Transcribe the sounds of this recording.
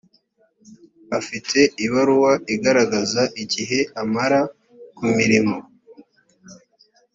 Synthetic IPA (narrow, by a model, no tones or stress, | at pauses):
afitʰe̞iβaɾuwaiɡaɾaɡazaʔiɟiɦe̞amaɾa | kumiɾimo̞